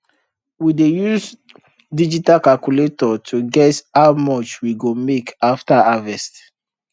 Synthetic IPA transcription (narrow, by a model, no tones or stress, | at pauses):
widejus | did͡ʒitalkalkuletɔtʰuɡɛthawmɔt͡ʃwiɡomekaftaavɛst